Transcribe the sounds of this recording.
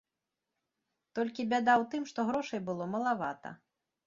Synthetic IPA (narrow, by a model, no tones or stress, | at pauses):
t̪ɔlʲkʲibʲad̪awt̪ɨmʂt̪ɔɣɾɔʂɐjbɨlˠɔmɐlˠavat̪ɐ̰